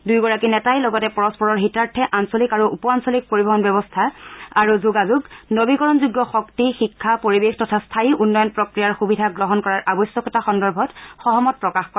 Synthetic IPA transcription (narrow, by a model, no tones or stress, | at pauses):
dujɡɔɹakinɛtajlɔɡɔtɛpɔɹɔspɔɹɔɹɦitaɹtʰɛʔansolikaɹuupɔansɔlik̚poɹibɔɦɔnbɛbɔstʰaaɹuzuɡazuɡnobikɔɹɔnzuɡːɔxɔktixikʰːapoɹibextɔtʰastʰaiʔunːɔjɔnpɹɔkɹijaɹxubidʱaɡɹɔɦɔnkɔɹaɹʔabɔjsjɔkɔtaxɔndɔɹbʱɔtxɔɦɔmɔt̚pɹɔkaxkɔ